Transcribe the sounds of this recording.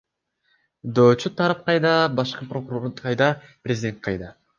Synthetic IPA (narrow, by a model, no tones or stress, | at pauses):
d̪oːt͡ʃut̪ʰɑɾɑp̚qɑjd̪ɑbɑʃqɯpɾokuɾo̞ɾqʰɑjd̪ɑprʲezʲɪdʲe̞nt̪̚qʰɑjd̪ɑ